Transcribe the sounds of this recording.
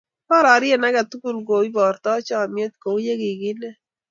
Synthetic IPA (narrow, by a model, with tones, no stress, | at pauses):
pɔ˦ɾa˨ɾɪ˦e˦˨na˦ɡa˨t̪u˦ku˦˨lɡo˨i˦bɔ˨ɾt̪ɔ˦t͡ʃɔ˦˨mjo˦t̪̚ko˨˦je˦ɡɪ˨ɡɪ˦nɛ˦